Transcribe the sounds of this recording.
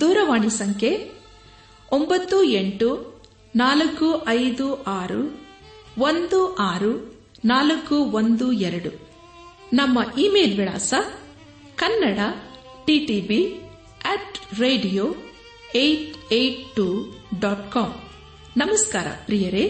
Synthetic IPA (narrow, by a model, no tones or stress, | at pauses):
d̪uːɾɐʋaːɳisɐŋkʰe | ombɐt̪ːueɳʈu | naːlɐkːuʔɐjd̪uʔaːɾu | ʋond̪uʔaːɾu | naːlɐkːuʋond̪uɛɾɐɽu | nɐmːɐʔiːmeːlʋiɽa̰ːsɐ | kɐnːɐɽɐ | ʈiʈiːbi | ɛːʈɾeːɖijoː | ejʈejʈʈːuɖaːʈkaːm | nɐmɐskaːɾɐ̰pɾijɐɾe